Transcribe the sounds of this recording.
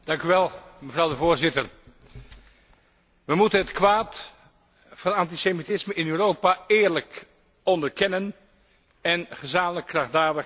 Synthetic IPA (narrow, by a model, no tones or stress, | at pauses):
d̥ɑŋkyʋɛlˠməvrɑwdəvoːɹzɪtər | ʋəmutənɦətkʋaːt | fɑnɑntisemitɪsməɪnøːrowpaɪːɹlək | ɔndəɹkɛnən | ɛnχəzaːmələkːrɑχdaːɹdə